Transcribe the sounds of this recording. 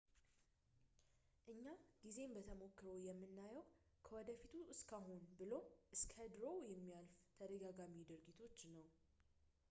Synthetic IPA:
ʔɨɲːaɡ̥ize̞mbət̪ʰəmo̞kːɾəwjɛmːɨnːajɛw | kʰəwɔd̪əfit̪ʰuɨskʰaɦonbɨlo̞ʔɨskʰəd̪ɾo̞jɛmːijalft̪ʰəd̪əɡaɡamid̪ɨɾɡit̪ʰo̞t͡ʃːnəw

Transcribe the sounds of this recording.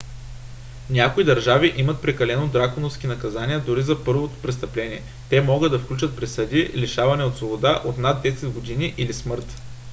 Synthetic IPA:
nʲakoid̪ɐɾʒaviʔimɐt̪̚pɾɛkɐlɛnod̪ɾakonofsk̟inɐkɐzanʲiɛd̪ʊɾizɐpɤɾvot̪o̥pɾɛst̪ɐplɛnʲiɛ | t̪ɛmɔɡəd̪ːɐfklʲut͡ʃɐt̪̚pɾɛsəd̪ʲiliʃavɐnɛot̪svobod̪aʔot̪nad̪ːɛsɛd̪ɡod̪iniʔilismɤɾt̪

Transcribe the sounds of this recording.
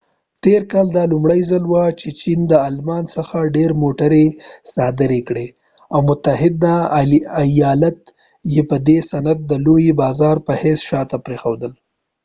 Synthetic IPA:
t̪eɾkɑld̪ɑlʊmɽəjzalwat͡ʃet͡ʃind̪əalmɑnsəxaɖeɾmoʈaɾesɑd̪ɪɾekɽe | awmʊt̪aɦɪd̪naajɑlat̪ | jepəd̪esanad̪̚ːəlojbɑzɑɾpəhesʃɑt̪apɾexawd̪əl

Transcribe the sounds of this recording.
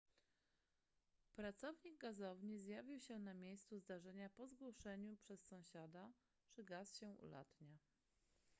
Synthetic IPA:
pɾat̪sɔvɲiɡ̚ɡazɔvɲizjavʲiwɕɛnamʲjejst̪suzd̪aʐɛɲapɔzɡwɔʂɛɲupʂɛsːɔ̃w̃ɕad̪a | ʐ̥ɛɡasɕɛṵla̰t̪ɲa

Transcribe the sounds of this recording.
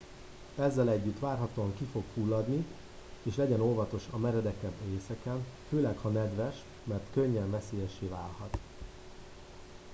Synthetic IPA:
ɛzːɛlɛɟːyt̪ʋaːrɦɒt̪oːɒŋkifo̞kfulːɒd̪ni | eːʃlɛɟɛno̞lvɒt̪o̞ʃɒmɛɾɛd̪ɛkɛbeːsɛkɛnføːlɛkhɒnɛd̪ʋɛʃ | mɛrt̪kø̞ɲːɛɱvɛseːjɛʃeːvaːlhɒt̪

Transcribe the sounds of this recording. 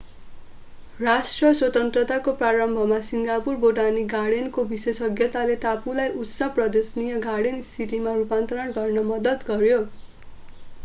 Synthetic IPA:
rasʈrʌswʌt̪ʌnt̪rʌt̪akopraɾʌmbʱʌmasiŋɡapurboʈaniɡaɽenkobisesʌɡjʌt̪alet̪apulajʔut̪sʌprʌd̪esnijʌɡaɽensiʈimarupant̪ʌɾʌnɡʌrnʌmʌd̪ʌt̪ɡʌrjo

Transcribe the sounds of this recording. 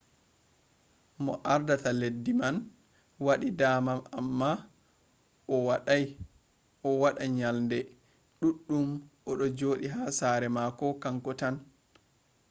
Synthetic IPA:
mɔ̰ʔaɾdataledːiman | waɗidaːmamamːa | ʔɔwaɗaj | ʔɔwaɗaɲalndɛ | ɗuɗːumʔɔɗɔd͡ʒoːɗiɦaːsaɾɛmakɔkaŋkɔtan

